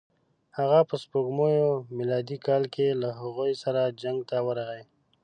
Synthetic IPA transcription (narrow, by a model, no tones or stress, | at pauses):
haɣapəspoɡmojomɪlɑd̪ikɑlkelaɦaɣojsaɾad͡ʒaŋɡ̚t̪awəɾaɣaj